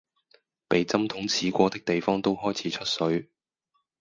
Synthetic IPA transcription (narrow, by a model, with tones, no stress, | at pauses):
pe˨jt͡sɐ˥mt̪ʰʊ˨˥ŋt͡sʰiː˨˥kʷɔː˧t̪ɪ˥k̚t̪e˨jfɔː˥ŋt̪o˥wɦɔː˥jt͡sʰiː˨˥t͡ʃʰɵ˥t̚sɵ˨˥ɥ